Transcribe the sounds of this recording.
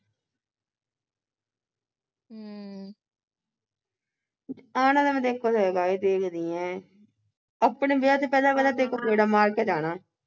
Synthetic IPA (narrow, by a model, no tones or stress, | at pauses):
aːnãd̪amɛ̃d̪eːkʰːot̪oeːɡaːed̪eːkʰd̪iːɛ̃ː | əpɳeːbɪjaːt̪eːpɛːd̪aːkɛːlaːt̪eːkːoːkeːɽaːmaːɾkeːd͡ʒaːnaː